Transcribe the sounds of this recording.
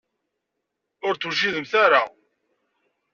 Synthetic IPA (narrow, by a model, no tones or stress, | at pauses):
ʊɾt͡suʃ̬iðəmθaɾa